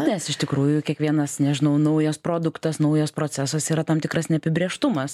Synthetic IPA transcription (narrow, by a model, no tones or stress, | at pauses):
nʲɛsɪʃt̪ʲɪkɾuːjʊkʲiɛkʋʲiɛnɐssnʲɛʒʲɪnɐʊnɐʊjospɾoːd̪ʊkt̪ɐsnɐʊjoːspɾoːt͡sʲæːsoːsiːɾɐt̪ɐmt̪ʲɪkɾɐsnʲɛpʲɪbʲɾʲiɛʃt̪ʊmɐs